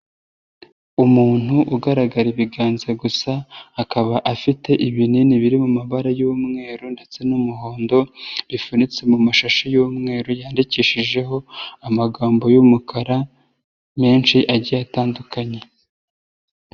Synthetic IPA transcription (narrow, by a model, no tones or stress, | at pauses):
umuːn̥uʔuɡaɾaɡaɾiβiɡaːnzeɡusaːkaβaʔafite̞ʔiβininiβiɾimumaβaɾajuumŋe̞ːɾunde̞t͡se̞numuɦo̞ːndo̞βifunit͡se̞mumaʃaʃajumŋe̞ːɾujaːndiciːʃiʒe̞ɦo̞amaɡaːmbo̞jumukʰaɾa | me̞ːnʃiʔaɟijataːndukʰaɲe̞